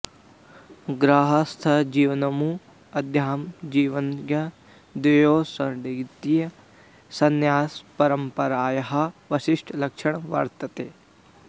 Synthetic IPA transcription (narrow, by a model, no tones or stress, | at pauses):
ɡɾaːɦɐst̪ʰɐd͡ʒiːʋɐnɐmu | ɐd̪ʱjaːmd͡ʒiːʋɐnɡjɐ | d̪ɐjoːsɐɖiɡt̪ijɐ | sɐnjaːspɐɾɐmpɐɾaːjɐɦɐ̆ʋɐʃiʂʈʰɐlɐkʂɐɳɐʋɐ̰ɾt̪ɐt̪eː